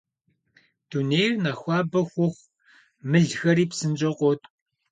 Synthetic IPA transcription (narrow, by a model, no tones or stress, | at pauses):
d̥unejrnɐxʷɑːbɐxʷʊxʷ | mɨɮxɐɾiːpsɨnt͡ʃʼɐqʷʼɔtʼ